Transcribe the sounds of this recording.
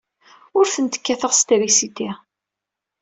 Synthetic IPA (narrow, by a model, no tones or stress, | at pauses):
ʊɾθənt̪ə̥kːæθəʁst̪ɾisit̪i